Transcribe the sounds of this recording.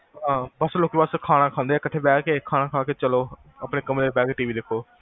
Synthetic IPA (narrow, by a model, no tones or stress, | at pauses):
ɦãːbəsloːkbəskʰaːɽ̃aːkʰãːnd̪eːɛːkəʈʰːeːbɛːkeːkʰaːnãːkʰaːkeːt͡ʃəloː | aːpɽeːkəmleːbɛːkeʈiːʋiːd̪ɪkʰːoː